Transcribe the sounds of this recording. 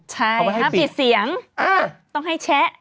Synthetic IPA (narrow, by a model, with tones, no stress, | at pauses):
t͡ɕʰa˥˩˨ja˥˩˨i˨˩si˩˦əŋʔa˧˩t̪ɔ˥˩ŋɦa˥˩jt͡ɕʰɛ˦˥ʔ